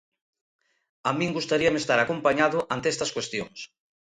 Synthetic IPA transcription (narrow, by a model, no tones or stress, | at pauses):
amĩŋɡust̪aɾiamest̪aɾakompaɲaðʊʔant̪eɛst̪ɐskwest̪jo̰ŋs